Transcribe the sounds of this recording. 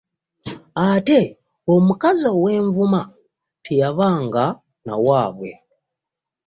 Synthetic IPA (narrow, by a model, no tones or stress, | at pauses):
ate̞ | omukazawe̞ːɱvuma | tʰejaβaːŋɡa | na̰waːβwe̞̰